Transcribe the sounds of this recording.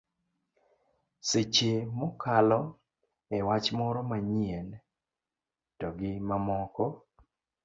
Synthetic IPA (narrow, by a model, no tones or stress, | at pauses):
set͡ʃemɔkʰalɔ | ɛwat͡ʃmɔɾɔmaɲien | tɔɡɪmamɔkɔ